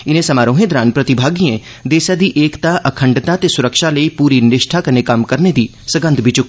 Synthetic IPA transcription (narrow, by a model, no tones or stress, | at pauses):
ɪnẽsɐmaːɾõːɦẽːd̪ɾaːnpɾɐt̪ɪbʱaːɡiẽ | d̪eːsad̪iʔeːkt̪aʔɐkʰəɳɖt̪ãt̪esʊɾəkʃaləipuːɾinɪʃʈʰakɐɾnekamkɐɾned̪iː | səɡə̃nd̪ʱbɪt͡ʃʊk